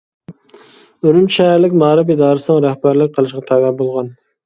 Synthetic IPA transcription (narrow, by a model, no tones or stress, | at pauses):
øɾymʃæɾlɪkʲmɑːɾɨpid̪ɑːɾɨsɨnɨŋɾæhbæɾlɪk̚ʲqʰəlˠɨʃqɑt̪ʰɑːɡɑbolˠʁɑn